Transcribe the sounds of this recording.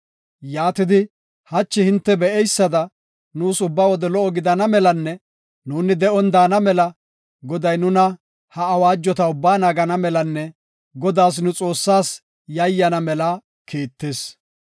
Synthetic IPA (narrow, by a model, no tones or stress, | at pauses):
jaːt̪ɪd̪ɪ | hɐt͡ʃːɪhɪnt̪ːɛbɛʔɛjsːɐd̪ɐ | nuːsʊbːaːwɔd̪ɛlɔʔɔɡɪd̪ɐnɐmɛlɐnːɛ | nuːnɪd̪ɛʔɔnd̪aːnɐmɛlɐ | ɡɔd̪ɐjnʊnɐ | hɐːwaːd͡ʒːɔt̪ɐʊbːaːnaːɡɐnɐmɛlɐnːɛ | ɡɔd̪aːs̬nʊt͡sʼo̞ːsːaːs | jɐjːɐnɐmɛla | kʰiːt̪ːeːs